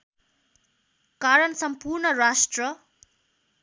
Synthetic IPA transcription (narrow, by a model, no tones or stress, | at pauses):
kaɾʌnsʌmpuɾnʌɾasʈrʌ